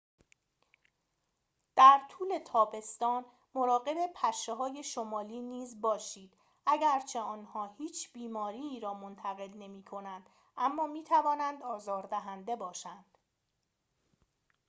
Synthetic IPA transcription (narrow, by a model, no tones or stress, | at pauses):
d̪̥æɾt̪ʰuːle̞t̪ʰɒːbe̞st̪ɒːn | mo̞ɾɒːɣe̞be̞pʰæʃeɦɒːje̞ʃomɒːliːniːzbɒːʃiːd̪̥ | ʔæɟæɾt͡ʃʰe̞ɒːnhɒːhiːt͡ʃʰb̥iːmɒːɾiːɾɒːmo̞nt̪ʰæɣe̞lne̞miːkʰo̞nænd̪̥ | ʔæmːɒːmiːt̪ʰævɒːnænd̪ɒːzɒːɾd̪æɦænd̪e̞bɒːʃænd̪̥